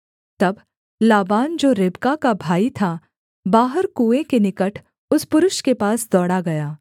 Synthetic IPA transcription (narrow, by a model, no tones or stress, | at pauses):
t̪ɐb | laːbaːnd͡ʒoːɾɪbkakabʱaːit̪ʰa | baːɦəɾkuːekenɪkəʈʰ | ʊspʊɾʊʃkepaːsd̪ɔːɽaɡɐjaː